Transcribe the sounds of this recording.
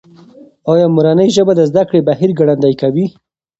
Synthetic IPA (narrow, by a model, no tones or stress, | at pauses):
ɑjɑmʊɾanəjʒəbad̪əzd̪akɽebaɦiɾɡaɽand̪ajkawi